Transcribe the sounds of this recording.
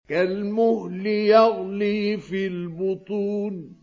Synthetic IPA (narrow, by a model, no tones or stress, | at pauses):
kalmʊhlɪjɑɣliːfilbʊt̪ˤuːn